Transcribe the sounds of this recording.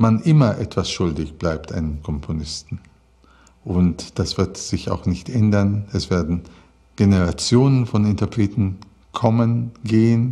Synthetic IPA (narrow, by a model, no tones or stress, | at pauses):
manʔɪmɐʔɛtv̥asʃʊldɪçb̥laɪp̚tʰʔa̰ɪnənkʰɔmpʰonɪstn̩ | ʔʊntd̥asv̥ɪɐtz̥ɪça̰ʊxnɪçtʔɛndɐnɛsv̥eːɐdn̩ | ɡ̥eneʁat͡sjoːnənfɔnɪntɐpʁ̥eːtn̩ | kʰɔmənɡeːən